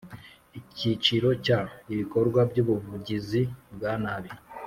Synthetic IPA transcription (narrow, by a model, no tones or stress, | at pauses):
icit͡ʃiɾo̞caiβiko̞ɾɡwabɟuβuvuɟizibɡanaβi